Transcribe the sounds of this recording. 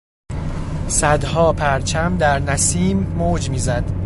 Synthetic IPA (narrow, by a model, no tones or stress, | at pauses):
sæd̪hɒːpʰæɾt͡ʃʰæmd̪æɾnæsiːmːoːd͡ʒmiːzæd̪̥